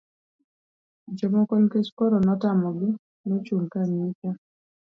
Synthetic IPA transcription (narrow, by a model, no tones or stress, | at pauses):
d͡ʒɔmɔkɔlkeskɔɾɔnɔtamɔɡɪ | nɔt͡ʃuŋkaɲit͡ʃa